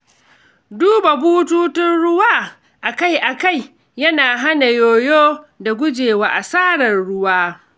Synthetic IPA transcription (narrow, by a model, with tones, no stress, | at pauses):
duː˦ba˨buː˦tuː˦tɪ˦nɽʊ˦waː˦ | ʔa˨ka˦jʔa˨ka˦˨j | jɐ˦naː˨ɦa˦na˨joː˦˨joː˦da˨ɡʷʊ˦d͡ʒeː˨waː˨ʔa˨saː˦ɽɐ˨nɽʊ˦waː˦